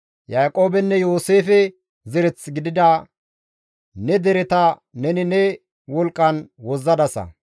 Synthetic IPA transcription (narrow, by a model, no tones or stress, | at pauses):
jaːkʼo̞ːbɛnːɛjo̞ːseːfɛ | zɛɾɛt͡sːɡɪd̪ɪd̪ɐ | nɛd̪ɛɾɛt̪ɐ | nɛnɪnɛ | wɔlkʼːɐnwɔzːɐd̪ɐsɐ̰